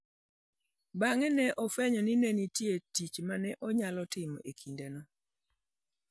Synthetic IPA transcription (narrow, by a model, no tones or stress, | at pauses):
baŋɛnɛʔɔfɛɲɔninenitjetit͡ʃmanɛʔɔɲalɔtɪmɔ̰ʔekʰindɛnɔ